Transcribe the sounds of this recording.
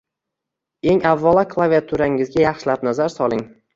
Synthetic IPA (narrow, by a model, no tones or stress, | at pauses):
e̞ŋavːalakʰlˠaviat̪ʰuɾaɪŋɪzɡʲajɑχʃɪlapnazaɾsɒlˠɪŋ